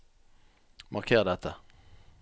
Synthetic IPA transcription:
mʔɑʁkʰeːʁd̪ɛt̪ʰːə

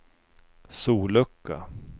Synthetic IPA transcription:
suːlɵkːa̰

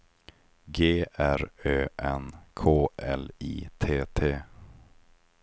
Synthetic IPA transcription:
ɡeːʔæɾøːʔɛnkʰoːʔɛliːt̪ʰeːt̪ʰeː

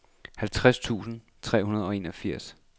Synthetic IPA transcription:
hælt͡sʰʁast͡sʰṵːsn̩ | t͡sʰʁɛ̰ːhunɐð̞̩ˠɒ̽e̝ːnɒ̽fiɐ̰s

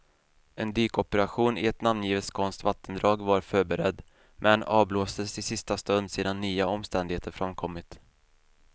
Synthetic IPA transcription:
ɛnd̪yːkɔpɛɾaɧuːnɪɛt̪namnjiːvəlskʰɔnst̪vat̪ːənd̪ɾɑːɡvaɾfœːɾbɛɾɛd̪ | mʔɛnɑːvbloːsd̪əsɪsɪst̪ast̪ɵnd̪seːd̪anːyːaɔmst̪ɛnd̪ɪɡheːt̪əɾfɾamkʰɔmːɪt̪

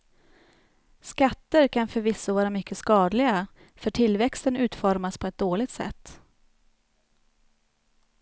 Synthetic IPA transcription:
skat̪ːəɾkʰanfœɾvɪsːɔvɑːɾamʏkʰːəskɑːd̪lɪɡa | fœʈʰɪlvɛkst̪ənʉ̟ːt̪fɔɾmaspʰɔɛt̪̚d̪oːlɪɡ̚t̪sɛ̰t̪ː

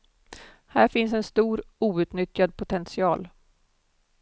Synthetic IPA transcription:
hæːɾfɪns̬ɛnst̪uːɾuːʉ̟ːt̪nʏt̪jad̪̚pʰʊt̪ʰɛnsɪɑːl

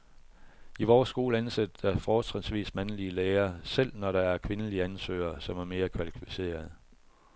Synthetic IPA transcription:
iʋɒːsːɡ̥o̝ːləænsed̥ə̥ɑfɒːt͡sʰʁinsʋḭːsmænliəleːɐsel̰nɒɾɑ̈æɐkʰʋe̝nəliəænsø̰ːɐsɒ̽mæɐme̝ːɐkʰʋælikʰuse̝̰ːɐð̩ˠ

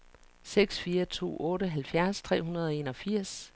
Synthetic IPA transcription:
seɡ̥sfiːɐt͡sʰo̝̰ːɔ̽ːɾəɦælfjæɐst͡sʰʁɛ̰ːɦunɐð̞ˠɒ̽e̝nɒ̽fiɐ̰s

